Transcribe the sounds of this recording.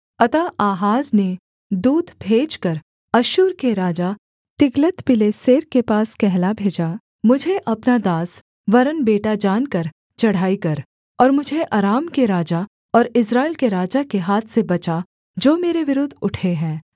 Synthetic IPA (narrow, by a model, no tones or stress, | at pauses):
ɐt̪aʔaːɦaːzne | d̪uːd̪ʱbʱeːd͡ʒkəɾ | ɐʃuːɾkeɾaːd͡ʒa | t̪ɪɡlət̪pɪleseːɾkepaːskɛɦlabʱeːd͡ʒa | mʊd͡ʒʱeʔɐpnad̪aːs | ʋɐɾənbeːʈad͡ʒaːnkɐɾ | t͡ʃɐɽ̤aːikɐɾ | ɔːɾmʊd͡ʒʱeʔaːɾaːmkeɾaːd͡ʒa | ɔːɾɪsɾaːɪlkeɾaːd͡ʒakeɦaːt̪ʰsebɐt͡ʃa | d͡ʒoːmeːɾeʋɪɾʊd̪ʱʊʈʰeɦɛ̃ː